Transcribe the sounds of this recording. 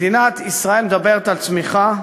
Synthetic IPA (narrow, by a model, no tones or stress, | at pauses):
d̪inat̪isʁae̞lmed̪abeʁet̪alt͡smiχa